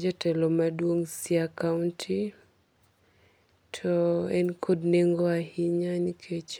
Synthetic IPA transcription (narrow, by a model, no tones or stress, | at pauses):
d͡ʒɔtɛlɔmadwoŋsiakaʊntʰi | tʰɔɛnkʰodneŋɡɔahiɲanikʰet͡ʃ